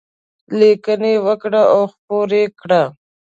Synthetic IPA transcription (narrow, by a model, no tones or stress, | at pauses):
likənewəkɽaʔaxpoɾekɽa